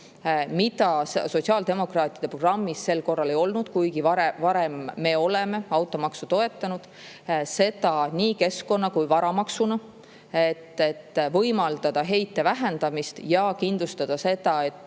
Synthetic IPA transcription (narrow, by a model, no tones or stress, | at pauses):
mit̪ɑsso̞tsiɑːld̪e̞mo̞krɑːt̪ˑid̥̪epro̥rɑmːise̞lko̞rːɑle̞jo̞lnud̪̥kujɡivɑɾevɑɾe̞mːe̞o̞le̞me̞ɑwt̪ːˑo̞mɑksut̪o̞e̞t̪ːˑɑnud̪̥ | se̞d̪̥ɑniːke̞sko̞nːɑkujvɑɾɑmɑksunɑ | et̪ːet̪ːvɤjmɑld̪̥ɑd̪̥ɑɦe̞jt̪ːe̞væɦend̪ɑmist̪jɑkind̪lust̪ɑd̪̥ɑse̞d̪ɑe̞t̪ːˑ